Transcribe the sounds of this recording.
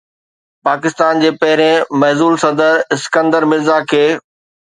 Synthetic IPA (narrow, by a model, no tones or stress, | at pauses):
paːkɪst̪aːnd͡ʑeːpɐɦɪɾẽmɐɦzuːlsɐd̪əɾɪskə̃nd̪əɾmɪzakʰeː